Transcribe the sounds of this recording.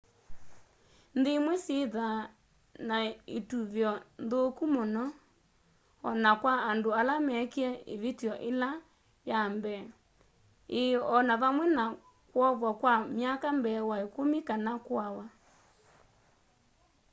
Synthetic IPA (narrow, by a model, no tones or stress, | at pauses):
ndemwɛseða | naetuβjɔnðokumonɔ | ɔnakwaandoalamɛkiɛḛβetjɔʔela | jambɛ | eɔnaβamwɛna | kwɔβwakwamjakambɛːwaekomikanakwawa